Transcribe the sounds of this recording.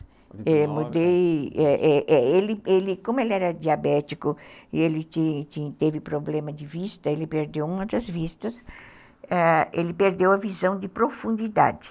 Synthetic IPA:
emud̪ejɛʔɛʔɛelɪelɪkõmʊelɪɛɾɐd͡ʒ̪iabɛt̪ikʊɪelɪt͡ʃ̪it͡ʃ̪it̪evɪpɾoblẽmɐd̪ɪvist̪ɐelɪpeɾd̪ewũmɐt̪ɐzvist̪ɐs | ɛelɪpeɾd̪ewɐvizɐ̃w̃d̪ɪpɾofũnd͡ʒ̪id̪a̰d͡ʒ̪ɪ̥

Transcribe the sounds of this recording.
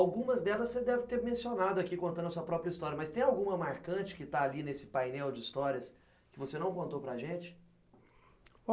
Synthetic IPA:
awɡũmɐzd̪ɛlɐssed̪ɛvɪt̪eɾmẽsionad̪ʊakikõnt̪ɐ̃d̪ɐsuɐpɾɔpɾjɐist̪ɔɾjɐmɐst̪ẽj̃awɡũmɐmaɾkɐ̃t͡ʃɪ̥kɪt̪aːlinesɪ̥pajnɛwd͡ʒɪist̪ɔɾiɐs | kɪvosenɐ̃w̃kõnt̪opɾaʒẽt͡ʃɪ̥

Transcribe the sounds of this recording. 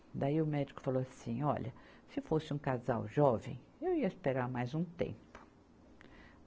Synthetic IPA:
d̪aiʊmɛd͡ʒikʊ̥falowasĩɔ̰ʎɐ | sɪfosɪũkaza̰wʒɔvẽj̃ | ewiɐispeɾaɾmajzũt̪ḛ̃mpʊ̥

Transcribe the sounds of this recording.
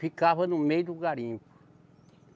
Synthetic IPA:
fikaβɐnũmejud̪uɡaɾĩmpu̥

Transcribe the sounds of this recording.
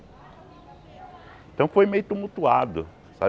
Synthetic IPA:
ẽt̪ɐ̃w̃fojmejʊt̪umut̪uad̪ʊ | sa̰

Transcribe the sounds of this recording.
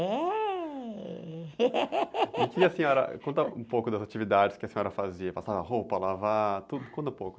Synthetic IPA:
ɛ | kiɐsẽɔɾɐ̰kõnt̪ɐũpowkʊd̪ɐzat͡ʃivid̪ad͡ʒɪskɪɐsẽɲɔɾɐfaziɐpasavɐhowpɐlavat̪ud̪ʊkõt̪ɐ̃powkʊ

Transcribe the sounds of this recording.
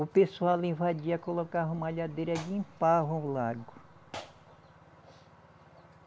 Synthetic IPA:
ʊpesuawlĩvad͡ʒiɐkolokaɦũmaʎad̪ejɾɐɡĩpaɦõlaɡʊ

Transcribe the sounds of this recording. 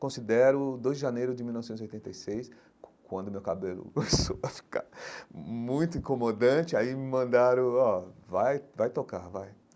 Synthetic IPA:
kõsid̪ɛɾʊd̪ojzd͡ʒɪʒanejɾʊd͡ʒɪmilnɔvɪsẽziojt̪ẽɐjsejs | kwɐ̃nd̪ʊmewkabelʊ̰komesowɐfi̥ka̰ɾ | mũj̃t̪ʊĩkomod̪ɐ̃t͡ʃɪaimmɐ̃nd̪aɾʊ̃ɔvajvajt̪oka̰ɾvaj

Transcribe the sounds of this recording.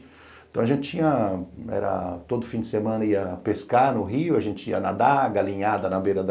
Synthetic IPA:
t̪ɐ̃w̃ɐʒẽnt͡ʃɪt͡ʃĩɲɐɛ̰ɾɐ̰t̪od̪ʊfĩd͡ʒɪsemɐ̃nɐiɐpeskanʊɦiʊɐʒẽnt͡ʃɪiɐnɐd̪aɡalĩɲad̪ɐnɐbejɾɐd̪

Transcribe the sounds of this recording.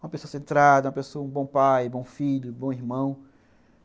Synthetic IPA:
ũmɐpesoɐsẽnt̪ɾad̪ɐũmɐpesoɐũbõpajbõw̃fiʎʊbõw̃iɦmɐ̃w̃

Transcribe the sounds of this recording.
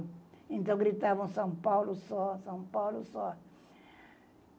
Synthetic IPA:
ẽnt̪ɐ̃w̃ɡɾit̪avɐ̃w̃sɐ̃w̃pawlusɔsɐ̃w̃pawlusɔ

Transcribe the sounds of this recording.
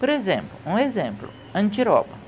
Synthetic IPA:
poɾezẽmplʊũezẽmplʊ̰ | ɐ̃nt͡ʃiɾɔ̰bɐ

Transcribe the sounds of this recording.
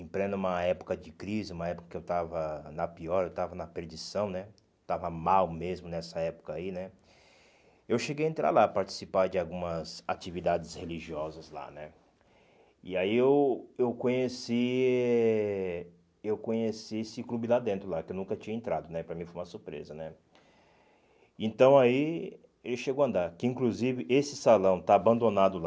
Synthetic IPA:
ĩpɾẽnd̪ʊ̃ũmɐɛpʊ̥kɐd͡ʒɪkɾizɪũmɐɛpʊ̥kɐkɪewt̪avɐnɐpiɔɾewt̪avɐnɐpeɾd͡ʒisɐ̃w̃nɛ | t̪avɐmawmezmʊnɛsɐɛpʊ̥kɐainɛ | ewʃeɡejɐẽnt̪ɾʔa̰ɾlapaɾt͡ʃi̥sipaɾd͡ʒɪawɡũmɐza̰t͡ʃivid̪ad͡ʒɪsheliʒiɔzɐzla̰nɛ | ɪaiewewkõɲesiɛɛ | ewkõɲesiesɪklubɪlad̪ẽnt̪ɾʊlakɪewnũkɐt͡ʃiɲɐẽnt̪ɾad̪ʊnɛpɾɐmĩfojũmɐsuɾpɾḛzɐnɛ | ẽnt̪ɐ̃w̃ai | elɪʃeɡowɐ̃nd̪aɾkɪĩŋkluzivɪʔesɪsalɐ̃w̃t̪aːbɐ̃nd̪onad̪ʊl

